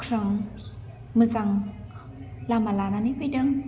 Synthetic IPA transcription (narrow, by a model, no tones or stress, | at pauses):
kʰɾaŋ | mɯt͡saŋ | lamalananipidaŋ